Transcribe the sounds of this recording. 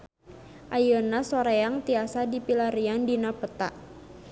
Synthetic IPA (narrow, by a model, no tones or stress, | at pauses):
ʔajənasoɾeaŋt̪iasadipilaɾiandinapət̪a̰ʔ